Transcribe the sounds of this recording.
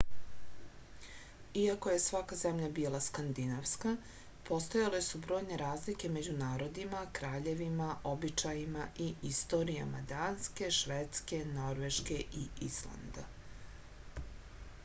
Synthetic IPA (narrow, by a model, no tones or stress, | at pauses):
iako̞je̞sʋakazemʎabiːlˠaskand̪inaʋska | po̞st̪ojale̞subɾo̞ːjne̞ɾaːzlike̞me̞d͡ʑunaːɾo̞d̪imakɾaːʎe̞ʋimaʔo̞bit͡ʃajimaʔiist̪o̞ɾija̰mad̪aːnske̞ʃʋet̪ske̞no̞ɾʋeʃkeʔiislˠa̰nd̪a